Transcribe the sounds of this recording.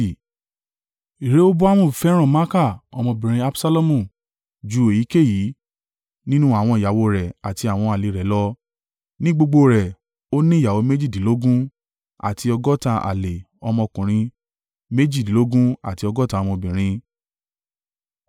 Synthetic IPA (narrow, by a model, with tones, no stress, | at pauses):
i˨ɾe˨˦o˦bu˦a˦w̃ũ˦˨fɛ˦ɾ̃ɔ̃˦˨mã˦ka˦˨ɔ˧mɔ̃˧bĩ˨ɾ̃ĩ˧˦a˦bsa˦lo˦mũ˦˨ | d͡ʒu˨˦e˨ji˨˦ke˦˨ji˨˦ | nĩ˦nũ˦a˦˨w̃ɔ̃˧i˨ja˨wo˧ɾɛ˨a˨ti˧a˨w̃ɔ̃˧a˨le˨ɾɛ˨˦lɔ˧ | nĩ˦ɡ͡bo˧ɡ͡bo˧ɾɛ˨ | o˦nĩ˦˨ja˨wo˧˦me˦d͡ʒi˦˨dĩ˨˦lo˦ɡũ˦ | a̰˨tʰi˧ɔ˧ɡɔ˦tã˧ʔa̰˨le˨ | ɔ˧mɔ̃˧kũ˨ɾ̃ĩ˧ | me˦d͡ʒi˦˨dĩ˨lo˦ɡũ˦a̰˨ti˧ɔ˧ɡɔ˦tã˧˦ɔ˧mɔ̃˧bĩ˨ɾ̃ĩ˧